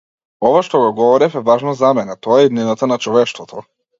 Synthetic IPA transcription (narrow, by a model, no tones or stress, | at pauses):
ɔvaʃt̪ɔɡɔɡɔvɔɾɛfɛvaʒnozamɛnɛt̪ɔaɛid̪ninat̪anat͡ʃɔvɛʃt̪vɔt̪ʰɔ